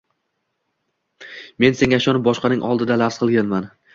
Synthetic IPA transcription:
me̞nse̞ŋʲaaʃɒnɪp̚bɒʃqɑnɪŋʔɒlˠd̪ɪd̪alafsqʰɨlˠɡʲanman

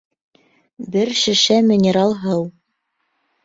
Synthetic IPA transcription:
bɘɾʃɘ̆ʃæmʲɪnʲɪɾalˠɦɤw

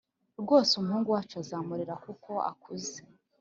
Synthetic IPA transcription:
ɾɡo̞ːsumhuːŋɡuat͡ʃazaːmuɾiɾakukʰo̞a̰kʰuze

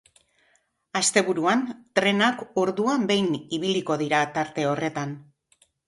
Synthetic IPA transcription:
ast̪e̞βuɾuant̪ɾe̞nakoɾðuambe̞jniβ̞iliko̞ð̞iɾat̪aɾt̪e̞o̞re̞t̪an

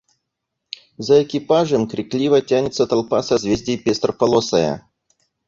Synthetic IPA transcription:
zɐɛkʲɪpaʐɨmkɾʲɪklʲivɐtʲanʲɪt̪sət̪ɐlˠpasɐzvʲezʲdʲɪjpʲest̪rəpɐlˠosɐjə̰

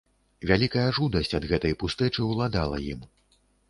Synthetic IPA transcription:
vʲalʲikɐjɐʐud̪ɐsʲt͡sʲɐd̪ɣɛt̪ɐjpust̪ɛt͡ʂɨwlˠad̪alˠɐ̰jim

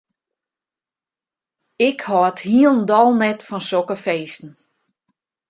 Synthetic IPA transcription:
ɪkhɔthiəlˠndɔlˠnɛtfɔnsokəfeːsn̩

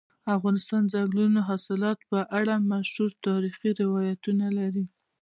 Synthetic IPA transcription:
afɣɑnɪst̪ɑnzaɡlunoɦɑsɪlɑt̪pəʔaɽamaʃhuɾt̪ɑɾixiɾɪwɑjat̪unalaɾi

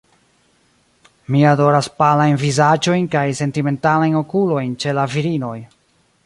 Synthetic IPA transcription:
miado̞ɾaspalajnvizad͡ʒo̞jnkajse̞ntime̞ntalajno̞kulo̞jnt͡ʃe̞laviɾino̞j

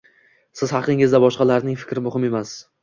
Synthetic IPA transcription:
sɪzhɑqʰɨŋɪzd̪abɒʃqɑlaɾnɪŋfɪ̥kʲɾɪmʊhɪme̞mas

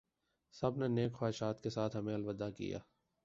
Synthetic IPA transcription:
sɐbneneːkxwaːɪʃaːt̪kesaːt̪ʰɦɐmẽɐlʋəd̪ːakḭja̰ː

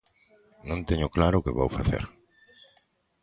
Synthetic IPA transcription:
nõnt̪eɲʊklaɾʊkɪβo̰wfaθḛɾ

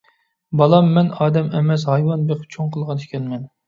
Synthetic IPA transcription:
bɑlˠɑmːɛnɑːd̪ɛmɛmɛs̬hɑjwɑnbeqp̚t͡ʃʰoŋqʰəlˠʁɑnɪkʲʰɛnmɛn

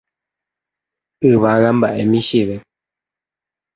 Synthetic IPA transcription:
ɨβaɣam̩ba̰ʔɛmiʃiβɛ

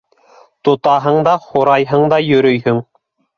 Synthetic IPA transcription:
t̪ŏt̪ɑɦɤɴd̪ɑχoɾɑjɦɤɴd̪ɑjɵ̆ɾɵjhɵŋ

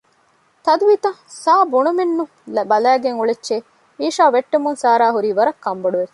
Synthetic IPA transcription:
t̪ɐd̪uʋiːt̪ɐsaːbuɳumenːu | lbɐlæːɡeŋuɭetːʃe | iːʃaːʋeʈːemunsaːɾaːɦuɾiːʋɐɾɐkːɐmboɖuʋe

